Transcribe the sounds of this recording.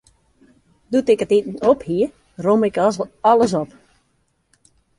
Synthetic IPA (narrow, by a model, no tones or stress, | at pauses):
dutɪkətitn̩ophiə | romɪkɔɔlˠəs̬ɔp